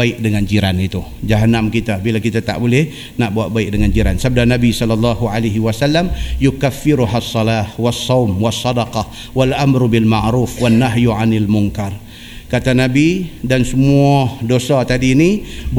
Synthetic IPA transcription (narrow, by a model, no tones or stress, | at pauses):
aɪk̚dəŋand͡ʒiɾanit̪ud͡ʒaɦanamkit̪abilakit̪at̪a̰ʔbolɛh | naʔbuaʔ̪̚baɪk̚dəŋand͡ʒiɾansab̚dahnabisɔlːɑlːɑɦualaɦiwasalːamjukafːɪɾuɦasˤːɑlahwasːɑwmwɑsˤːɑdɑqɑ | walʔamɾubɪlmaʕɾuːfwanːaɦjuʕanalmʊŋkar | kat̪anabidansəmuadosat̪adiːnib